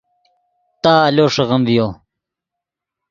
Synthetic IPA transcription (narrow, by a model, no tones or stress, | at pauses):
t̪aːloːʂeɣɐmvijo